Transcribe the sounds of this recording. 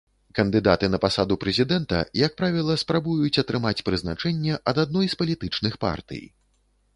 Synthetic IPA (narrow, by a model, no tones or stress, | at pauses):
kɐnd̪ɨd̪at̪ɨnɐpasad̪upɾɛzʲid̪ɛnt̪ɐ̰jak̚pɾavʲilˠɐspɾabujut͡sʲɐt̪ɾɨmat͡sʲpɾɨznat͡ʂɛnʲːɛʔɐd̪ad̪nɔjspɐlʲit̪ɨt͡ʂnɨxpa̰rt̪ɨ̰j